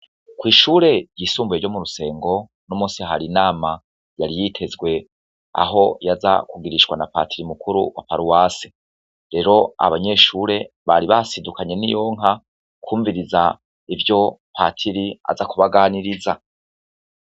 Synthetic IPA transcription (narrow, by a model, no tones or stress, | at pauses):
kwiːʃuːɾe̞jiːsuːmbujeɟo̞muɾuse̞ːŋɡo̞ | nomuːnsiaɦaɾinaːma | jaɾijitʰe̞zɡwe̞ | a̰ɦo̞jaza̰kuɡiɾiʃkwanapa̰tʰiɾimukuɾṵwa̰paɾuwaːse | ɾe̞ɾo̞a̰βaɲe̞ʃuːɾe̞βaɾiβasidukʰaɲe̞nijo̞ŋɦa | kʰuːɱviɾiza | ivjo̞pʰa̰tʰiɾia̰zakuβaɡaːniɾiza